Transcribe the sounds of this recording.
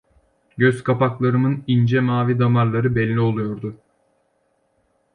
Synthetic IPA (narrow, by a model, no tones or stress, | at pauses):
ɟøzkʰapaklˠaɾɯmɯnind͡ʒɛmaːvid̪amaɾlˠaɾɯbɛlʲːio̞lˠujoɾd̪ʊ